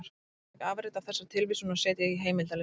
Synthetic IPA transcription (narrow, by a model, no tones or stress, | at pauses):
ɾ̥ | kaːvɾɪt̪av̥θɛsːḁt̪ʰɪlvisunasɛːt̪jɛɣiɦeːjmɪlt̪al